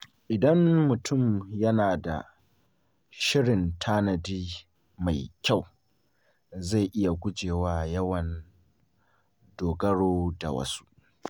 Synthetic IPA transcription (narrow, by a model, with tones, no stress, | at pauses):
ʔɪ˨dɐ˦mːʊ˨tʰʊ˦˨mjɐ˦naː˨da̰˨ | ʃɪ˦ɽɪ˨ntʰaː˦nɐ˨diː˦ | ma˨jkʲa˦˨w | za˦˨ʔɪ˦ja˨ɡʷʊ˦d͡ʒeː˨waː˦jɐ˦wɐ˨n | doː˨ɡɐ˦ɽoː˦da̰˨wɐ̰˦su̥˦ʔ